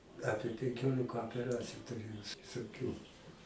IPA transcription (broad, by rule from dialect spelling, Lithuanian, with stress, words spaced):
ˈɑːpʲiɛ pʲɛŋʲˈkʲoːlʲɪkɐ oːpʲɛˈrɑːt͡sʲɪjʊ tʊˈrʲeːjɛʊ s ʋʲɪsoːˈkʲuː